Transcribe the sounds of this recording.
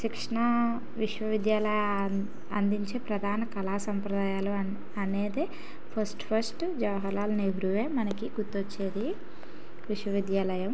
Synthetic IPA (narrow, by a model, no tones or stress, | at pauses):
sikʂɐɳɐ | ʋiʂʋɐʋid̪jaːlɐjɐ | ɐnd̪iɲt͡ʃe̞ːpɾɐd̪ʱaːnɐkɐlaːsɐmpɾɐd̪aːjaːlu | ɐne̞ːd̪e | pʰɐɾsʈpʰɐɾsʈ | d͡ʒɐʋɐɦɐlaːluneɦuɾuʋeːmɐnɐkiɡut̪ːot͡ʃːeːd̪i | ʋiʂʋɐʋid̪jaːlɐjɐm